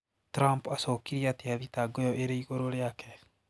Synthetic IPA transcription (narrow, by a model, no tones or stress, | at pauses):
tɾampasokiɾiateaðitaɡojɔʔeɾeiɣoɾoɾeakɛ